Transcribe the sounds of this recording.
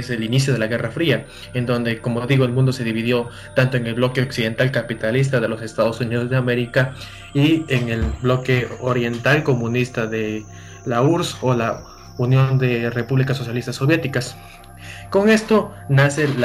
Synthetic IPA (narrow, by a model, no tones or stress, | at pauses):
eselinis̬jo̞ð̞e̞laɣe̞rafɾia | e̞nd̪o̞nd̪e̞ko̞moðiɣo̞e̞lmũnd̪o̞se̞ðiβiðjo̞ | t̪ant̪oeŋe̞lβlo̞keoksiðe̞nt̪alkapit̪alis̬t̪aðe̞lo̞se̞st̪að̞osuniðo̞zðeame̞ɾika | ieŋe̞lblo̞ke̞oɾje̞nt̪alko̞mũnist̪aðe | lauɾso̞la | unjo̞nd̪e̞repuβlikaso̞s̬jalist̪asːo̞βje̞t̪ikas | ko̞ŋe̞st̪o̞ | nase̞l